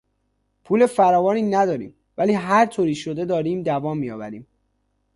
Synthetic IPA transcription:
pʰuːlefæɾɒːvɒːniːnæd̪ɒːɾḭːm | væliːɦæɾt̪ʰoːɾiːʃod̪e̞d̪ɒːɾiːmd̪ævɒːmːijɒːbæ̰ɾiːm

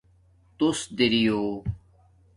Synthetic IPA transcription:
t̪usd̪iɾijoː

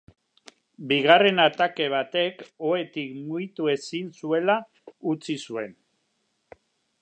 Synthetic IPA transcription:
biɣare̞nat̪ake̞β̞at̪e̞ko̞e̞t̪ikmujt̪ue̞sinsue̞la | ut͡sisue̞n

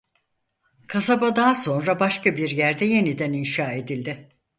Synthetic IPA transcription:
kʰasabad̪aːso̞nɾabaʃkabiɾjæɾd̪ɛje̞nid̪æninʃaːe̞d̪ilʲd̪ɪ

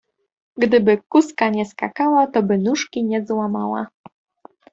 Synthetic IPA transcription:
ɡd̪ɘbɘkuskaɲɛskakawat̪ɔbɘnuʂkʲiɲɛzwamawa̰

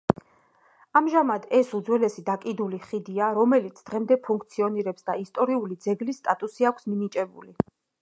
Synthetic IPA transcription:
amʒamad̪ɛsud̪zwɛlɛsid̪akʼid̪uliχid̪iaɾɔmɛlit̪sʰd̪̥ʁɛmd̪ɛpʰuŋkʰt̪sʰiɔniɾɛpsd̪aist̪ʼɔɾiulid̪zɛɡlisːt̪ʼat̪ʼusiakʷʰsmimit͡ʃʼɛbṵli

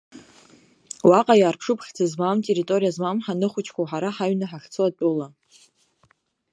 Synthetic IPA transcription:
waqʼajaːrpʰʂɨpʰχʲd͡zʰazmamtʼeɾitʼo̞ɾijazmamħanɨχʷʊt͡ʃʰkʷʰawħaɾaħaɥnaħaχt͡sʰɨwat͡pʼʊla

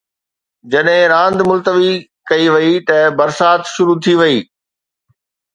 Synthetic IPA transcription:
d͡ʑɐɗɦɪ̃ɾãːnd̪mʊlt̪əʋi | kɐiʋɐit̪ɐbɐɾsaːt̪ʃʊɾut̪ʰiʋɐiː

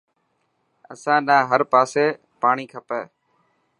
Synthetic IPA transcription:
ə̰sãːnaːɦəɾpaːseː | paːɳ̃iːkʰəpeː

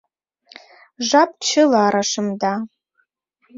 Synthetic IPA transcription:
ʐap̚ʰʼt͡ʃʰɨlaːɾaʂɨmda

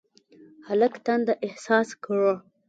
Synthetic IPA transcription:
haləkt̪and̪aʔɪhsɑskaɻo

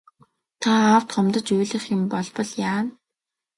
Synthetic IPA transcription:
t̪ʰaaw̥t̪χɔmt̪ə̆t͡ɕujɮɘ̆χɪ̆mpɔɮpɞ̆ɮjaːn

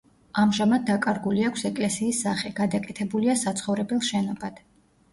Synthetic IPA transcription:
amʒamad̪̚ːakʼaɾɡuliakʷʰsɛkʼlɛsiːsːaχɛɡ̥ad̪akʼɛt̪ʰɛbuliasat̪sʰχɔvɾɛbɛlˠʃɛnɔbad̪̥

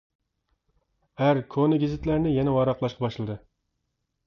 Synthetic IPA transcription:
æɾkʰonɨɡʲɪzɪt̪læɾnɪjɛnɛwɑɾɑqlˠɑʃqʰɑbɑʃlˠɨd̪ɨ

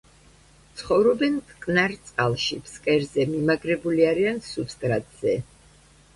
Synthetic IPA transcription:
t̪sʰχɔvɾɔbɛnkʼkʼnaɾt̪sʼqʼalˠʃipʰskʼɛɾzɛmimaɡɾɛbuliaɾiansupst̪ʼɾat̪ʼz̥ɛ

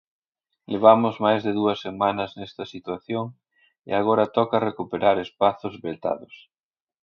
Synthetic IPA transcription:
leβ̞amʊzmajzðeðuɐsːemanɐznɛst̪ɐsit̪waθjoŋ | ḛaɣ̞oɾɐt̪ɔkɐrekupeɾaɾespaθʊzβelt̪a̰ðʊs

